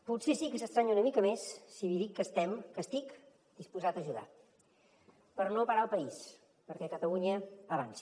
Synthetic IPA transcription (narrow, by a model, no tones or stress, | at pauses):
put̪sesikəsəst̪ɾaɲunəmikəmesːiβiðikːəst̪ɛmkəst̪ik | d̪ispuzat̪əʒuða̰ | pəɾnopəɾaəlˠpəis | pəɾkɛkət̪əluɲəəβ̞a̰nsi̥